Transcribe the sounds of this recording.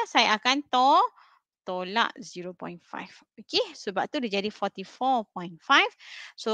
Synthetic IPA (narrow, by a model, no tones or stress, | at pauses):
sajaakant̪ɔ | t̪ola̰ʔziɾopɔ̰jnfa̰jf | okesəbap̚t̪udid͡ʒadifɔt̪ifɔpɔjnfajfso